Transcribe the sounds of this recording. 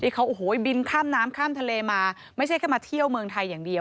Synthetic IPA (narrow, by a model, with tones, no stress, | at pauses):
t̪ʰiː˥˩kʰa˦˥wʔoː˨˩ɦoː˩˦bi˧nkʰaː˥˩mnaː˦˥mkʰaː˥˩mt̪ʰa˧leː˧maː˧ | ma˥˩jt͡ɕʰa˥˩jkʰaː˥˩maː˧t̪ʰi˥˩əwmɯː˧ŋt̪ʰa˧jːaː˨˩ŋdi˧əw